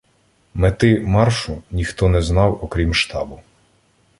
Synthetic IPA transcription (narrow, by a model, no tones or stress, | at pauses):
met̪ɪmɑrʃʊnʲixt̪ɔnɛznɑwɔkɾʲimʃt̪ɑ̰bʊ